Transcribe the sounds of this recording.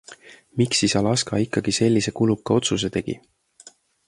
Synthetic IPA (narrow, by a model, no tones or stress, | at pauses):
miksisɑlɑskɑikːˑɑɡ̥ise̞lʲːise̞kulukːˑɑo̞t̪sus̬e̞t̪e̞ɡ̥ḭ